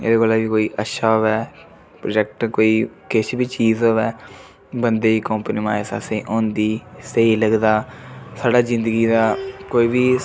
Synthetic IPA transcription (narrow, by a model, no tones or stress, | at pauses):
ḛːd̪eːkoːlaːbiːkoːiːʔətːʃʰaːɦoːʋɛː | pɾoːd͡ʒɛk̚ʈkoːiːkɪt͡ʃbiːt͡ʃiːzoːɛː | bənd̪eːiːkɔ̃ːmpniːmaːesa̰ːseiːʔõːnd̪iːsəiːləɡd̪aːsaːɽaːzɪ̃nd̪əɡiːd̪aːkoːiːbiː